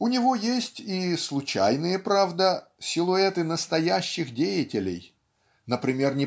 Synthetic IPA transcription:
ʊnʲɪvojesʲtʲislˠʊt͡ɕæjnɨjəpɾavd̪əsʲɪlˠʊɛt̪ɨnəst̪ɐjæɕːɪxdʲejɪtʲɪlʲɪ̰j | nəpɾʲɪmʲe̞rnʲɪ

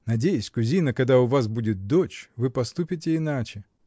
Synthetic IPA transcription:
nɐdʲejʊsʲkʊzʲijnəkɐd̪aʊvas̬budʲɪt̪̚d̪ot͡ɕvɨpɐst̪upʲɪt̬ʲɪɪnat͡ʃɪ

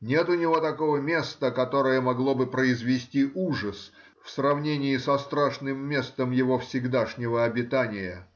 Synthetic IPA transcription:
nʲe̞t̪ʊnʲɪvo̞t̪ɐko̞vəmʲe̞st̪əkɐt̪oɾəjəmɐɡlˠo̞bɨpɾəɪzvʲɪsʲtʲiʔuʐəs | fsrɐvnʲenʲɪjɪsɐst̪ɾaʂnɨmːʲe̞st̪əmjɪvo̞fsʲɪɡd̪aʂnʲɪvəɐbʲɪt̪anʲɪjə

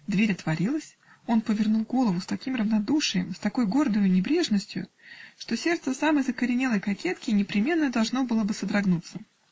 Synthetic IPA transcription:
d̪vʲeɾʲɐt̪vɐɾʲilˠəsʲ | o̞npəvʲɪrnulˠɡo̞lˠəvʊst̪ɐkʲimrəvnɐd̪uʂɨjɪ̰mst̪ɐko̞jɡo̞rd̪əjʊnʲɪbɾʲe̞ʐnəsʲtʲjʊ̰ʂt̪o̞sʲe̞rt̪səsaməjzəkəɾʲɪnʲelˠəjkɐkʲet̪kʲɪnʲɪpɾʲɪmʲe̞nːəd̪ɐlˠʐno̞bɨlˠəbɨsəd̪ɾɐɡnut̪sə

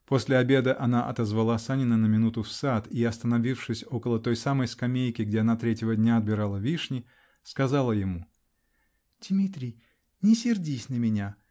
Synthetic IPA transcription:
po̞sʲlʲɪɐbʲe̞d̪əʔɐnaʔɐt̪əzvɐlˠasanʲɪnənəmʲɪnut̪ʊfsat̪iɐst̪ənɐvʲifʂɨsʲo̞kəlˠət̪o̞jsaməjskɐmʲejkʲɪɡdʲeɐnat̪ɾʲetʲjɪvədʲnʲaɐd̪̚bʲɪɾalˠəvʲiʂnʲɪ | skɐzalˠəjɪmu | d̥ʲmʲit̪ɾʲɪj | nʲɪsʲɪrdʲisʲnəmʲɪnʲa

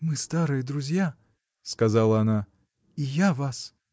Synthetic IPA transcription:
mɨst̪aɾɨjəd̪ɾʊzʲja | skɐzalˠəɐna | ijavas

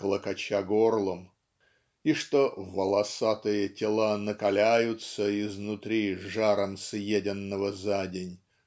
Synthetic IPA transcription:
klˠəkɐt͡ɕaɡorlˠəm | iʂt̪ovəlˠɐsat̪ɨjətʲɪlˠanəkɐlʲæjʊt̪səɪznʊt̪ɾʲiʐaɾəmsjedʲɪnːəvəzadʲɪnʲ

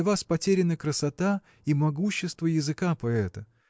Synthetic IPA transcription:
vaspɐtʲeɾʲɪnəkɾəsɐt̪a | imɐɡuɕːɪst̪vəjɪzɨkapɐɛt̪ə

